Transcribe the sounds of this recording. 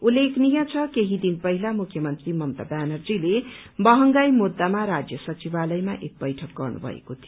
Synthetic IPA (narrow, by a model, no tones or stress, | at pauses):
ulːekʰnijʌt͡sʰʌkeɦid̪inpʌɦilamukʰjʌmʌnt̪rimʌmt̪a̰bjanʌrd͡zile | bʌɦʌŋɡajmud̪ːamaɾad͡zjʌsʌt͡sibalʌjmaʔek̚bʌjʈʰʌk̚ɡʌrnṵbʱʌ̰ḛkot̪ʰijo